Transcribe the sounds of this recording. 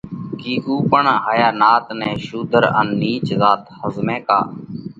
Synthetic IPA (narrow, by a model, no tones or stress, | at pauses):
kiːkuːpəɳɦəjaːnaːt̪nɛ̃ːʃuːd̪ʱəɾə̰nːiːt͡ʃzaːt̪həzmɛ̃ːka̰ː